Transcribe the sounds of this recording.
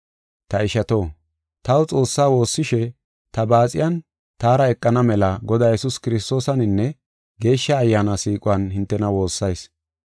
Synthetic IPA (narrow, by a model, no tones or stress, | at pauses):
t̪ɐɪʃɐt̪o̞ː | t̪ɐwʊt͡sʼo̞ːsːaːwo̞ːsːɪʃɛ | t̪ɐbaːt͡sʼɪ̰jɐn | t̪aːɾɐɛkʼːɐnɐmɛlɐɡɔd̪aːjɛsʊskɪɾɪst̪o̞ːsɐnɪnːɛ | ɡe̞ːʃːɐːjːaːnasiːkʼʊwɐnhɪnt̪ːɛnɐwo̞ːsːɐjs